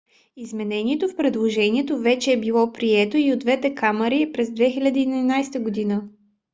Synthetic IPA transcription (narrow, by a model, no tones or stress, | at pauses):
izmɛnɛniɛt̪ofpɾɛd̪lˠoʒɛniɛt̪ovɛt͡ʃɛːbilˠɔpɾiɛt̪oiod̪vɛt̪ɛkʰaməɾipɾɛzd̪vɛxilʲɐd̪iːninajst̪əɡod̪inə